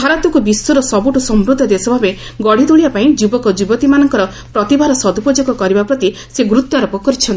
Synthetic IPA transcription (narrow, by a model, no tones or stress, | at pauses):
bʱaɾat̪ukubisːuɾɔsɔbuʈusɔmɾud̪ʱːɔd̪esɔbʱabe | ɡɔɽ̤it̪uɭibapaĩd͡ʒubɔkɔd͡ʒubɔt̪imanɔŋkɔɾɔ | pɾɔt̪ibʱaɾɔsɔd̪upɔd͡ʒoɡɔkɔɾibapɾɔt̪i | seɡɾut̪ːaɾɔpɔkɔɾit͡ʃʰɔnt̪i